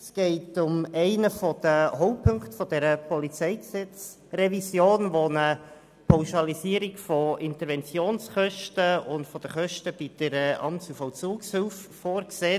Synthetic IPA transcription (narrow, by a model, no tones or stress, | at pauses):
sɡ̥ɛɪtʊmɛɪnəfɔd̥̪əhɔʊpʰːɵŋktfɔdɛɾəpʰɔlit͡sɛɪksɛt͡s | rɛvisjoːnʋonə | pʰaʊʃɑlisiːəɾikfɔɪntəɾvɛnt͡sjoːnsχœʃtəʊndfɔd̥̪əχœʃtəb̥id̥əɾɛɑ̰mt͡sufɔwt͡suːkshʏlffoːɾkseː